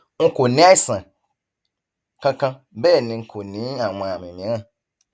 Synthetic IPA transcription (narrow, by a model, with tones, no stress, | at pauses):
ŋ̩˦ko˨nĩ˦a˦i˦sã˨ | kã˦kã˧˦ | bɛ˦˨nĩ˨ŋ̩˨kʰo˨nĩ˨˦a˨m˨ã˨mĩ˨mĩ˨˦ŋã˦˨